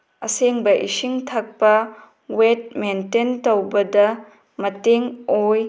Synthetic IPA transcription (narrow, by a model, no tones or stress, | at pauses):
ɐseŋbɐʔisiŋtʰɐk̚pɐ | wet̚mententowbɐdɐ | mɐteŋoj